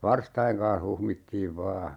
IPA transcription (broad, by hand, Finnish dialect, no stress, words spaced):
ʋɑrstɑjeŋ kɑn̞h huhmitːiːʋ ʋɑː